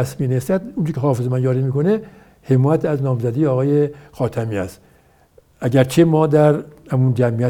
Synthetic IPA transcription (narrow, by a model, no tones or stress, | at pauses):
æsmiːnest̪æd̪unt͡ʃʰekʰʲehɒːfe̞zemænjɒːɾimiːko̞ne | he̞mɔːjæt̪ʰæznɒːmzæd̪iːjeɒːɣɒːjexɒːt̪ʰæmiːæ̰st̪ | æɡæɾt͡ʃʰemɒːd̪æɾhæmund͡ʒæmijæ